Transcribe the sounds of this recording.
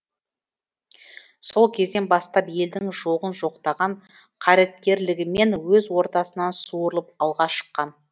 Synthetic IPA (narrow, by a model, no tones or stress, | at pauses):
so̞lˠkʲʰe̞zd̪e̞nbɑst̪ɑpje̞ld̪ɪŋʒoʁənʒo̞qt̪ɑʁɑɴqʰɑɾet̪̚kʲe̞ɾlɪɡʲɪme̞nwɵzwo̞ɾt̪ɑsənɑnsuəɾəlˠəpɑlˠʁɑʃə̥qːɑn